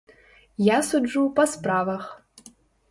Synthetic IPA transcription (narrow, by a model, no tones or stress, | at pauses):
jasuɖ͡ʐupɐspraːvɐx